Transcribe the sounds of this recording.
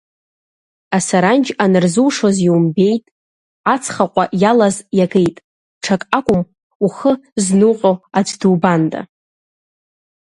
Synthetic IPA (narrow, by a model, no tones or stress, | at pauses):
asaɾand͡ʒanɨrzuwʂoziwumbe̞jtʼ | at͡sʰχaqʷʼaʔjalazjaɡejtʼ | ʈ͡ʂʰakʼakʷʼʊm | uχəznuqʼo̞ad͡ʒʷduːbandʼa̰